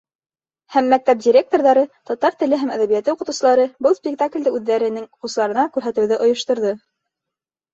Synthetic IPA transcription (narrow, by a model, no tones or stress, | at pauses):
hæmːæk̚t̪æp̚dʲiɾʲe̞k̚t̪o̞ɾðɑɾɤt̪ɒt̪ɑɾt̪ɘ̆lɘɦæmæðæβijæt̪ːɘuqɤ̆t̪ŭwsɤlˠɑɾɤbɤlˠspʲɪk̚t̪aklʲd̪ɘʉðːæɾɘ̆nɘŋquslˠɑɾɤ̆nɑkʉɾɦæt̪ɘ̆wðɘʔŏjŏʃt̪ŏɾðɤ